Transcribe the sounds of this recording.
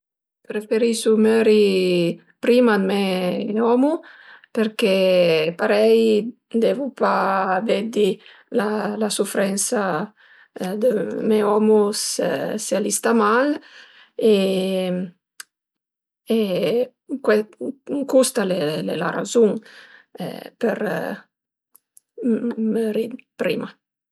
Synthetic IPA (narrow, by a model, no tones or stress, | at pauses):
pɾefeɾisumøɾi | pɾimad̪meɔmupeɾkepaɾɛj | d̪ɛvupavɛd̪i | lalasufɾɛnsa | d̪əmɛɔmussealist̪amal | e | e | kwɛkust̪alelḛla̰ra̰zuŋɛ̰pəɾ | məɾid̪pɾḭma